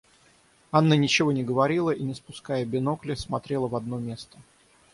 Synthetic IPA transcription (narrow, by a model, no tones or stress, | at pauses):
anːənʲɪt͡ɕɪvo̞nʲɪɡəvɐɾʲilˠəʔinʲɪspʊskajəbʲɪno̞klʲɪsmɐt̪ɾʲe̞lˠəvɐd̪no̞mʲe̞st̪ə